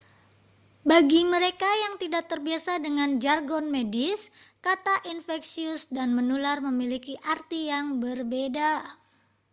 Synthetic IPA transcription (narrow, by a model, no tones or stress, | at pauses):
baɡiməɾekajaŋt̪idak̚t̪ərbiasadəŋand͡ʒarɡɔnmediskat̪aʔinfɛksiʊsdanmənularməmilikiʔart̪ijaŋbərbeda